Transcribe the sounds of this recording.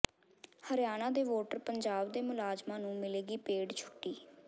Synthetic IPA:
həɾjaːnãːd̪eːʋoːʈəɾpəɲd͡ʒaːbd̪eːmʊlaːzmãːnũːmɪleːɡiːpeːɖt͡ʃʰʊ̥ʈːiː

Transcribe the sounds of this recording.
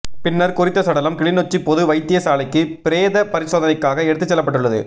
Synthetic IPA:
pɪnːɐɾkʊɾɪt̪ːɐsɐɽɐlɐmkɪɭɪnot͡ʃːipɔðɯʋɐɪt̪ːɪjɐsaːlɐɪkːɯpɪɾeːðɐpɐɾɪsoːðɐnɐɪkːaːɣɐɛɽɯt̪ːɯt͡ʃːɛlːɐpːɐʈːɯɭːɐðɯ̰

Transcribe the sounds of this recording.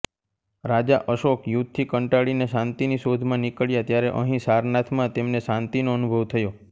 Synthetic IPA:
ɾad͡ʒaʔəʃokjut̪t̪ʰːikəɳʈaɽineʃãnt̪iniʃod̪ʱmãnikəɭjat̪jaɾeʔəɦĩsaɾnat̪ʰmãt̪emneʃãnt̪inoənubʱəʋt̪ʰəjo

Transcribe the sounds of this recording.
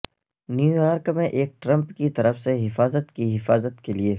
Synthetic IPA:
njuːjaːɾkmẽʔeːk̚ʈɾɐ̃mpkit̪ɐɾəfseɦɪfaːzət̪kiɦɪfaːzət̪kelie

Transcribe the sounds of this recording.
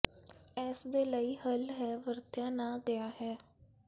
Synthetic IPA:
ɛːsd̪eːləiːhəlɦɛːʋəɾt̪jãːnãːɡɪaːɦɛː

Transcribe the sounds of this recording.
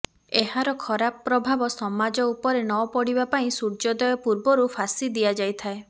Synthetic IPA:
eɦaɾɔkʰɔɾapːɾɔbʱabɔsɔmad͡ʒɔupɔɾenɔpɔɽibapaĩsuɾd͡ʒɔd̪ɔjɔpuɾbɔɾupʰasid̪iad͡ʒajt̪ʰae

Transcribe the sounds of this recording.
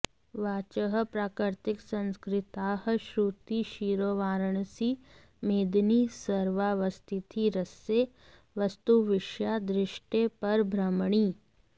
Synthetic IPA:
ʋaːt͡ʃəɦpɾaːkɾɪɾt̪ɪksɐ̃nskɾɪt̪aːɦʃɾuːt̪iʃiːɾoːʋaːɾəɳ̃si | meːd̪nisəɾʋaʋɐst̪ʰɪt̪ʰiɾəse | ʋɐst̪uʋɪʃjad̪ɾɪʃʈepɐɾbʱɾɐmɳ̃iː

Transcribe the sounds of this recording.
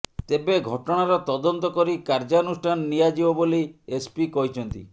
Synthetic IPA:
t̪ebeɡʱɔʈɔɽ̃aɾɔt̪ɔd̪ɔnt̪ɔkɔɾikaɾd͡ʒaonusʈʰanɔːijad͡ʒibɔboliespikɔɦit͡ʃʰɔnt̪ḭ

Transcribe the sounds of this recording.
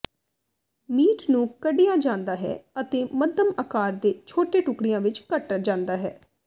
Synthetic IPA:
miːʈnũːkəɖijãːd͡ʒãːnd̪aːɦɛ̰ːət̪eːməd̪əməkaːɾd̪eːt͡ʃʰoːʈeːʈʊkɽɪjãːʋɪt͡ʃkəʈːaːd͡ʒãːnd̪aːɦɛː

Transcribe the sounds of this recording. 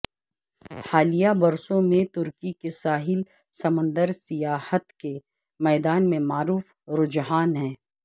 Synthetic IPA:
haːlijabɐɾsõmẽt̪ʊɾkikesaːɦɪl | sɐmə̃nd̪əɾsɪjaːhət̪ke | mɛːd̪aːnmẽmaːɾuːf | ɾʊd͡ʒɦaːnɦɛ̃ː

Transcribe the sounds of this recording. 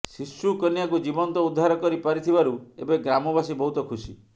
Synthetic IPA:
sisukɔnijakud͡ʒibɔnt̪ɔud̪ʱːaɾɔkɔɾipaɾit̪ʰibaɾuebeɡɾamɔbasibɔɦut̪ɔkʰusi

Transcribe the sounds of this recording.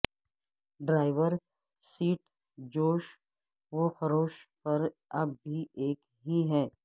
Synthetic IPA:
ɖɾaːɪʋəɾ | siːʈ | d͡ʒoːʃ | ʋoxɐɾoːʃpɐɾɐb̚ːiʔeːk | ɦiɦɛː

